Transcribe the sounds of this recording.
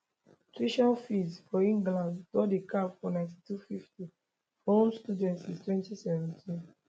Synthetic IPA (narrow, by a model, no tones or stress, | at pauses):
tɹiʃãnfisfɔĩŋɡlãnddɔdekafɔnãɪ̃nti̥tufifti | hõmstudɛ̃ntsiztwɛ̃ntisɛvɛ̃ntʰĩn